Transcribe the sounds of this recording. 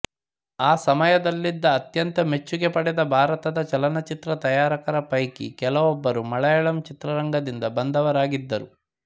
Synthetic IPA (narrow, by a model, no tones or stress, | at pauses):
aːsɐmɐjɐd̪ɐlːid̪ːɐːt̪jɐnt̪ɐme̞t͡ʃːuɡepɐɽɛd̪ɐbʱaːɾɐt̪ɐd̪ɐt͡ʃɐlɐnɐt͡ʃit̪ɾɐt̪ɐjaːɾɐkɐɾɐpɐjkḭkɛlɐʋɔbːɐɾumɐɭɐjɐɭɐmt͡ʃit̪ɾɐɾɐŋɡɐd̪ind̪ɐbɐnd̪ɐʋɐɾaːɡid̪ːɐɾu